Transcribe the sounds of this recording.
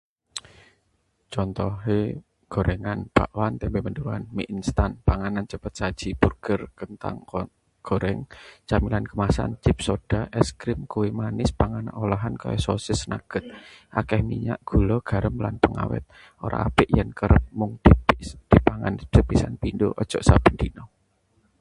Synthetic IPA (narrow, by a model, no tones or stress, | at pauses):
t͡ʃɔnt̪ɔɦe | ɡ̥o̤ɾɛŋanb̥aʔwant̪ɛmbemənduɾuanmiʔinst̪anpaŋanant͡ʃəpət̪̚sad̥ʒ̥i̤purɡ̥ərkənt̪a̰ŋ | ɡ̥o̤ɾɛŋt͡ʃamilankəmasa̰nt͡ʃɪp̚sod̥aʔɛskɾɪmkuwimanɪspaŋana̰ʔolaɦanka̰jɔsosɪsnaɡ̥ət̪̚ʔakɛhmḭɲa̰ʔɡ̥ṳlɔɡ̥a̤ɾəmlanpəŋa̰wɛ̰t̪̚ | ʔoɾa̰apɪʔjənkəɾəp̚mʊŋd̥d̪̥i̤paŋa̰nd̥əpisanpindoʔɔd̥d͡ʒ̥ɔʔsab̥ənd̪̥inɔ